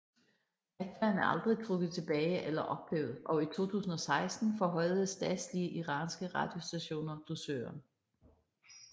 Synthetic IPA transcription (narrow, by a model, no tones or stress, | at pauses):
æ̥fæɐnæɐʔɑ̈ld̥ʁikʰʁuɡ̥əð̩ˠt͡sʰe̝b̥ɛːɪʔelɐʔɒ̽b̥lḛːʊð̩ˠʔɒ̽it͡sʰo̝̰ːt͡sʰṵːsn̩ɒ̽sɑ̈ɪsd̥n̩fɒɦɒ̽ɪð̩ˠəsd̥ɛːd̥sliəʔiʁɑ̈ːnsɡ̥əʁɑ̈d̥jo̝sd̥æɕo̝̰ːnɐd̥usøːɐn